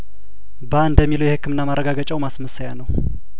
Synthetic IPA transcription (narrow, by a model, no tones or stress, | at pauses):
baɨnd̪əmːilujɛhɨkʰːɨmɨnːamaɾːəɡaɡət͡ʃʼawmasməsajanəw